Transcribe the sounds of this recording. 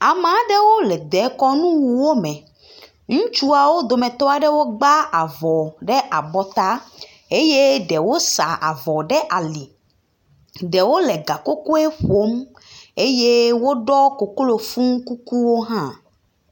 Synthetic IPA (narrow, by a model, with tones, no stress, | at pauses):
a˨mã˨˦ɖɛ˦wo˦lɛ˨d̪ɛ˨˦kɔ˦nũ˦wu˨wo˦mɛ̃˨ | ŋũ˦t͡ʃu˦a˨wo˦d̪o˨mɛ̃˨t̪ɔ˦a˨ɖɛ˦wo˦ɡ͡ba˦a˨vɔ˨ɖɛ˦ʔa˨bɔ˦t̪a˦ | e˦je˦ɖɛ˨wo˦sa˨ʔa̰˨vɔ˨ɖɛ˦ʔa˨li˨ | ɖɛ˨wo˦lɛ˨ɡa˨ko˦ko˦e˦ɸo˦m | e˦je˦wo˦ɖɔ˦ko˨klo˨fũ˦ŋ˦ku˦ku˦wo˦ɦã˦